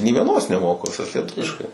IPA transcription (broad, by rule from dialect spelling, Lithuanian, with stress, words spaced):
nʲɪ ʋʲiɛˈnoːs nʲɛˈmoːkʊ ʋʲɪˈsɐs lʲiɛˈtʊʋʲɪʃkɐɪ